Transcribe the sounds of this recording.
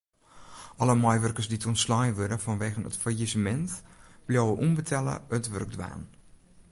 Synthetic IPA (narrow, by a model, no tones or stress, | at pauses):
ʔɔləmɔjʋərkərsditəɔntslɔjəʋødəfɔnʋeːɣənə̰tfajizəmɛntb̥ljɔwəʔumbətʰɛlə̰ətʋø̰rɡ̚dʋa̰ːn